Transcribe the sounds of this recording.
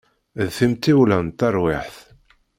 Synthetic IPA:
ðθimt̪iwlænt̪ːɑɾˤwɪħθ

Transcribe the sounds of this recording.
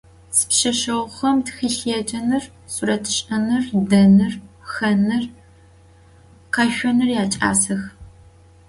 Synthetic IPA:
sɨ̥pɕɐʃɐwχɐmtxiːɬeɛd͡ʒʼɐnɨr | suɾɐtʰɨ̥ɕʼɐnɨrdɐnɨrxɐnɨr | qɐʃʷɔnɨrjaːt͡ʃʼa̰ːsɐx

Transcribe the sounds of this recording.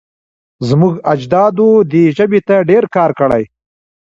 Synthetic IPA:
zmʊɡad͡ʒd̪ɑd̪od̪eʒəbet̪aɖeɾkɑːɾkəɽa̰j

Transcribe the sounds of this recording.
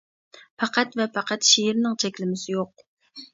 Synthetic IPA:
pʰɑqʰæt̪vɛpʰɑqʰɛt̪ʃejɪɾnɪŋt͡ʃʰɛkʲlɪmɪsɪjoq̚

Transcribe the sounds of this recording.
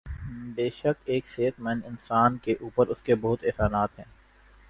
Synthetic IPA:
beːʃəkeːkseːt̪mɛnɪnsaːnkeʔuːpəɾʊskebɐɦʊt̪ɛːsaːnaːt̪ɦɛ̃ː

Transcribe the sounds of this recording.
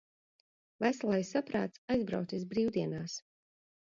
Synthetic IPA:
væslˠɛjsapɾa̰ːt̪sajzbɾa̰wt̪ʲisbɾiːwd̪iɛnaːs

